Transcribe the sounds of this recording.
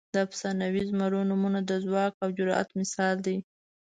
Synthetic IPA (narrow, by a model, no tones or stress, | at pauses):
d̪əapsɑnawizmaɾonumunad̪əzwɑkawd͡ʒʊɾɑʔa̰t̪mɪsɑld̪aj